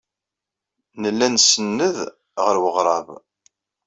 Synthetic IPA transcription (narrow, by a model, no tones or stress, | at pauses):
nəlːænsənːəð | ʁəɾwəʁɾˤɑv